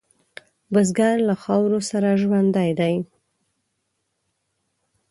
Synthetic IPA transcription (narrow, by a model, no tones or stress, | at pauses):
bəzɡɑɾlaxɑwɾosaɾaʒwand̪ajd̪aj